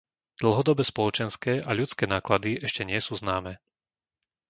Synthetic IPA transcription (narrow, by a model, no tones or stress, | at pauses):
d̪̥l̩ˠɦɔd̪ɔbɛspɔlɔt͡ʃɛnskɛːʔaʎut͡skɛːnaːklad̪iʔɛʃcɛɲɪɛsuːznaːmɛː